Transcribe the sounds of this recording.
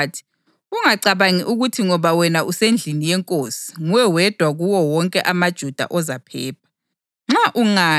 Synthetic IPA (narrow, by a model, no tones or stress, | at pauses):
tʰi̥ | uŋaǀaβaŋiʔuɣutʰiŋɔβawɛnaʔusend͡ɮʱinijɛŋkʼoːsi̥ŋuwɛwɛd̥ʱwaɣuwɔwɔŋkʼɛʔamad̥ʒ̥ʱud̥ʱa̰ʔɔzapʰɛːp̚ʰḁ | ŋ͡ǁaʔuŋa